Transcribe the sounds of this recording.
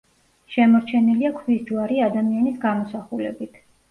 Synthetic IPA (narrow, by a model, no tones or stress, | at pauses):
ʃɛmɔɾt͡ʃʰɛniliakʰvisd̪vaɾiad̪amianisɡamɔsaχulɛ̰bit̪ʰ